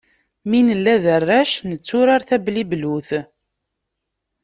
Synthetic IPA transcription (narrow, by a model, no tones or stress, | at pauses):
minəlːæðərːæʃnət͡sːʊɾaɾθæblibluθ